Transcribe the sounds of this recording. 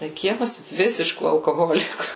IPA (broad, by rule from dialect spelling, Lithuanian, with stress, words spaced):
tɐɪ ˈkʲiɛmɐs ˈʋʲɪsʲɪʃkuː ɐlˠkoːˈɣoːlʲɪkuː